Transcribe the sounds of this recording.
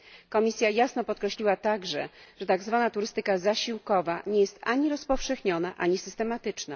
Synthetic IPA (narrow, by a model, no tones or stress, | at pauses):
kɔmʲisʲjajasnɔpɔt̪kɾɛɕlʲiwat̪aɡʐɛ̰ʐ̥ɛt̪aɡzvanat̪uɾɘst̪ɘkazaɕiwkɔvaɲɛjɛst̪aɲiɾɔspɔfʂɛxɲɔnaʔaɲisɘst̪ɛmat̪ɘt͡ʂna̰